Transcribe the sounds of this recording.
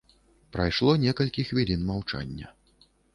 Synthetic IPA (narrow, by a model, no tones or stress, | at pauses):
pɾajʂlˠɔnʲɛkɐlʲkʲixvʲilʲinmawt͡ʂa̰nʲːɐ̰